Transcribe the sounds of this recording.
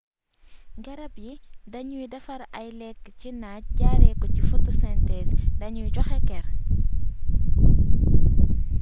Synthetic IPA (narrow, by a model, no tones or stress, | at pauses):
ɡɐɾɐbjidɐɲujidɐfɐɾʔɐjlɛkːcinac̚ɟaːɾɛkːɔcifutusɛntɛsdɐɲujɟɔxɛkɛr